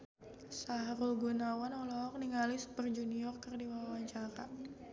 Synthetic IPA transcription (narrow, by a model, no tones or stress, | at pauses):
sahɾulɡunawanɔlɔk̚niŋalɪsbərd͡ʒuniɔrkərdiwawaɲt͡ʃaɾa